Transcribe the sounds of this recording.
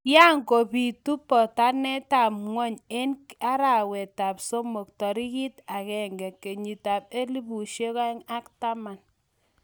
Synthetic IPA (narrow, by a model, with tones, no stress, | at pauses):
ja˦ŋko˨pi˨tu˦pːɔ˨ta˦nɛ˦ta˨pŋwɔ˦ɲe˦nka˦ɾa˨wɛ˨ta˨pso˦mo˨k̚tɔ˨ɾi˦ki˦ta˨kɛ˨ŋɡɛ˨kːe˨ɲi˨ta˨p̚e˦li˦pu˨ʃe˦ka˦ŋa˦kta˦ma˨n